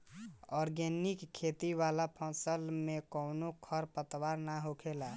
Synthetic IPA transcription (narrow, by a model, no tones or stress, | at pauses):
ɔɾɡenikʰːet̪iʋalapʰɔ̃səlmekownokʰəɾpət̪waɾnaɦokʰela